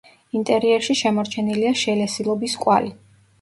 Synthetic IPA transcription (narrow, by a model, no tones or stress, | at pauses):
int̪ʼɛɾiɛɾʃiʃɛmɔɾt͡ʃʰɛniliaʃɛlɛsilˠɔbiskʼwa̰li